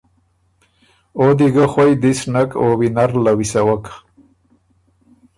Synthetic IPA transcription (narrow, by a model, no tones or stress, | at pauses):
od̪iɡaxwajd̪isnakowinaɾlawisawak